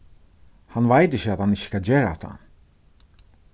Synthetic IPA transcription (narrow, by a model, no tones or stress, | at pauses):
hanʋajt̪ɪçəat̪hanɪçə̥kad͡ʑeːɾa̰t̪ʰa̰n